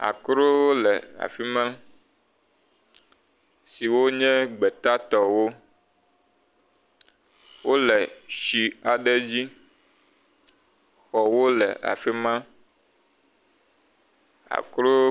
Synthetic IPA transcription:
a̰˨kɾo˦wo˦lɛ˨a̰˨fi˦mã˦ | si˨wo˦ɲɛ̃˦ɡ͡be˨t̪a˦t̪ɔ˨wo˦ | wo˦lɛ˨ʃi˨a˨ɖe˦d͡ʑi˦ | xɔ˨wo˦lɛ̰˨ʔa̰˨fi˦mã˦ | a̰˨kɾo˦

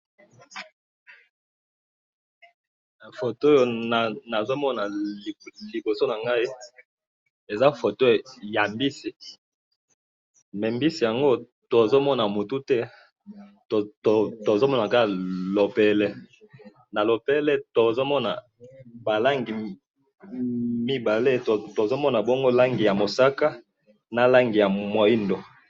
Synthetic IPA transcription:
fo˨to˦jo˨na˨na˨zo˦mɔ˦na˨ | li˨bo˨so˦na˨ŋɡa˦i˦ | e˨za˦fo˨to˦˨ja˨mbi˦si˨ | mɛ˨mbi˦si˨ja˨ŋɡo˦ | to˨zo˦mɔ˦na˨mo˨tu˦tɛ˦˨ | tto˨zo˦mɔ˦na˨ka˦˨lo˨pɛ˨lɛ˦ | na˨lo˨pɛ˦lɛ˦to˨zo˦mɔ˦na̰˨ | ba˨la˦ŋɡi˨ | mi˦ba˨le˦tto˨zo˦mɔ˦na˨bo˦ŋɡo˦la˦ŋɡi˨ja˨mo˨sa˦ka˦ | na˨la˦ŋɡi˨ja˨mwo˨i˦ndo˨

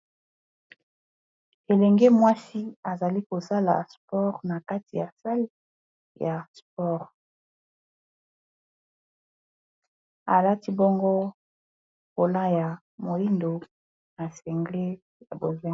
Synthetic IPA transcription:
e˨lɛ˨ŋɡe˦mwa˦si˦a˨za˨li˦ko˨sa˦la̰˨spɔ˦ʁna˨ka˦ti˨ja˨sa˦li˦ | ja˨spɔ˦˨ʁ | a˨la˦ti˦bo˦ŋɡo˦ | ko˨la˦ja˨ | mo˨ji˦ndo˨ | na˨sɛ˨ŋɡle˦ | a̰˨bo˨zɛ˦

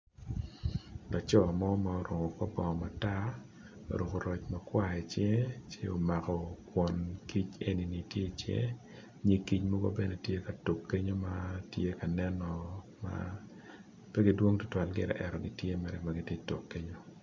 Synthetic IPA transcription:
lɔ˨t͡ʃɔ˦˨mɔ˦ma˨ɔ˨ɾʊ˨ŋɔ˨ka˦bɔ˨ma˨ta˦ | o̰˨ɾo˨ko˨ɾɔ˨t͡ʃma˨kwa˦ɛ˨t͡ʃje˦t͡ʃe˦o̰˨ma˨kɔ˨kwɔ˨nki˦t͡ʃe˦ni˨ni˨tje˦˨t͡ʃjḛ˦ | ɲi˨ki˦t͡ʃmɔ˦ɡo̰˦bɛ˦ne˨tje˦ka˨to˨kːe˦ɲo˦ma˦tje˦ka˨nɛ˦nɔ˨ | ma̰ | pɛ˦ɡi˦dwo˦ŋtʊ̥˦twa˨lɡɪ˨ɾɛ̰˨ʔɛ˨ɾɔ˨ɡɪ˨tje˦mɛ˨ɾɛ˦maɡɪ˦tje˦to˨kːe˦ɲo˦

